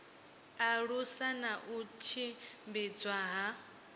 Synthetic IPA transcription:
aɺusanaʔut͡ʃʰimbid͡zwaɦa

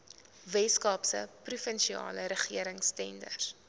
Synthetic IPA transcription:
vɛskɑːpsə̰prufənʃiɑ̰ːləɾəχiəɾəŋstɛndə̰r

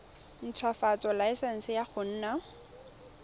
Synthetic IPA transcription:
n̩t͡sʰwafat͡sʼɔlaɪsɛn̩sɪjaχʊn̩ːna

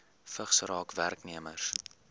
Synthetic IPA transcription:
fəχsɾɑːkværkniəmə̰rs

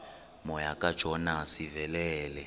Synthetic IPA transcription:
mɔjakʼad̥ʒ̥ʱɔnasivɛlɛːlɛ

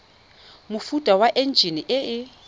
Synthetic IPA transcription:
mʊfutʼawaʔen̩d͡ʒʱiniʔɪɪ

